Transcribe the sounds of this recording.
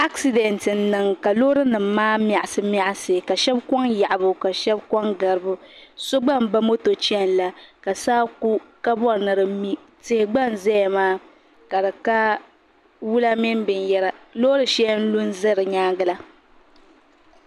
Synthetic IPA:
a˦ksi˨dɛ˨ntɨ˨n̩˦nɨ˨ŋka˨lo˦ɾɨ˦nɨ˨mː˦aː˦m˨a˨ʔa˨sɨ˦m˦a˨ʔa˨sɨ˨ka˨ʃɛ˦bkɔ˦ŋja˨ʔa˨bʊ˨ka˨ʃɛ˦bkɔ˦ŋɡa˨ɾɨ˨bʊ˦so˦ɡ͡ba˦˨mba˦mo˦to˨t͡ʃɛ˦˨n˨la˨ka˨saː˦ku˦ka˦bɔ˦ɾnɨ˨ɾɨ˨mi˦ | tɨ˨hɪ˨ɡ͡ba˦˨n˨zɛ˦ja˨maː˦ | ka˨dɨ˨ka˦ | wu˦la˦mi˦nbɨ˨njɛ˦ɾa˨lo˦ɾɨ˨ʃɛ˦n̩˦lu˦n˦zɨ˦ɾɨ˨ɲaː˦ɡɨ˦la˦

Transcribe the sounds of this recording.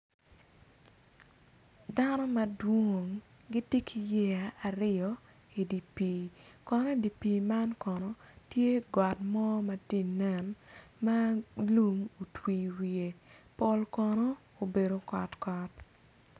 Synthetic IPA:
da˦nɔ˦mɐ˨dwo˨ŋ | ɡi˦ti˦kʰi˨jɛ˦a˨a˨ɾɪ˦ɔ˨ | i˨di˨pi˨kɔ˨nɔ˦i˨di˨pi˨ma˦nkɔ˨nɔ˨tje˦ɡwa˨tmɔ˦mɐ˨ti˦nɛ˨nma˦lu˦mo˨twi˨wi˨e˨pɔ˨lkɔ˨nɔ˦ | o˨be˨ɾo˨kɔ˨tkɔ˨t

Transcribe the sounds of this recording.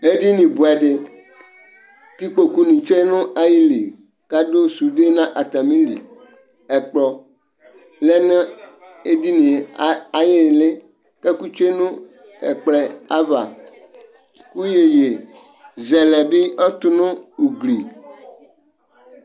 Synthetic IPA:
e˦di˦nĩ˨bu˨ɛ˨ɖɪ˦ | ki˦k͡po˨ku˦nĩ˨t͡ʃo˦e˦nʊ̃˦ʔa˦ji˦li˨ | ka˦do˦su˨de˦nã˦ʔa˨t̪a˨mĩ˦ndḭ˨ | ɛ˨k͡plɔ˨ | lɛ˦nã˦ | e˦di˦nĩ˨˦a˨jɪ˦˨lɪ˦ | kɛ˦ku˦t͡ʃo˦e˦nʊ̃˦ | ɛ̰˨k͡plɛ˨a˦va̰˨ | ku˦je˨je˨ | zɛ˨lɛ˨bi˦ɔ˦t̪ʊ˦nʊ̃˦u˨ɡli˨

